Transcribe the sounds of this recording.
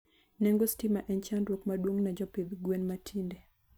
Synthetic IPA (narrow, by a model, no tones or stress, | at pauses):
nɛŋɡostimaʔɛnt͡ʃandwokmadwoŋnad͡ʒɔpeðɡwenmatʰindɛ